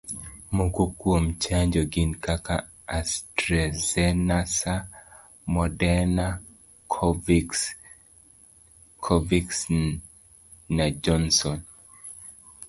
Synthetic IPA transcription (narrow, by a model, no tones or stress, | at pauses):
mokukwomt͡ʃaɲd͡ʒɔɡɪnkaka | astɾɛzɛnasa | mɔdɛna | kʰɔvi | kʰɔviks | nad͡ʒɔnsɔn